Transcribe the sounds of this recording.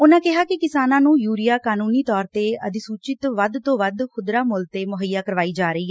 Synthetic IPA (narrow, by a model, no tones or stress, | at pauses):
ʊnãːkɪɦaːkɪkɪsaːnãːnũːjuːɾɪjaːkaːnuːniːt̪ɔːɾt̪eːəd̪ɪsuːt͡ʃɪt̪ʋəd̪t̪õːʋəd̪kʰʊd̪ɾaːmʊlt̪eːmʊɦəjaːkəɾʋaːiːd͡ʒaːɾəiːɦɛ